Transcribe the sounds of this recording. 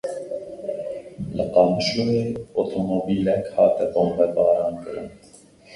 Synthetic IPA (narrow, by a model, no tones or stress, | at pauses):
ləqɑːmʃuːneːot̪ʰomoːbiːlɛkhɑːt̪ɛboːmbɐɾd̪ɑːɾɑːnkɨɾɨn